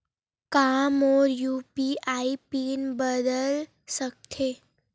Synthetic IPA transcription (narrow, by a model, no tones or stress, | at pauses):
kamoɾjupiʔaipiːnbəd̪əl | sək̚t̪ʰe